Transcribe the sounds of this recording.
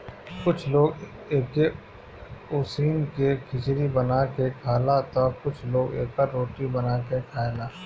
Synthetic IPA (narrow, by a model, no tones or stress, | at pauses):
kʊt͡ʃʰloːɡ | eːke | ʊːsiːnkekʰɪt͡ʃɾibɐnaːkekʰaːlat̪akʊt͡ʃʰloːɡḛːkaɾoːʈibɐnaːkekʰaːlaː